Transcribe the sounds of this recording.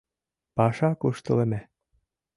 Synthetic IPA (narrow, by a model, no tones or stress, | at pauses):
pɑʃɑkuʃt̪ɤ̆lĕmæ